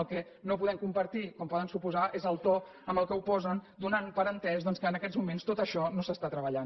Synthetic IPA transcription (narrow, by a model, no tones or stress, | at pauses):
lˠkɛ | nopuðɛmkumpəɾt̪ikɔmpɔðənsupuzaʔezəlˠt̪ɔ | əmbəlˠkəupɔzənd̪unanpəɾənt̪ɛzðɔnskəːnəkɛzmumenst̪ot̪əʃɔnosəst̪at̪ɾəβəʎan